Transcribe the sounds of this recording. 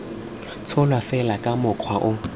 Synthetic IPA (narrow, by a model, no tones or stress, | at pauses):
t͡sʰʊlwafɛlakʼamʊkʰwaʔʊ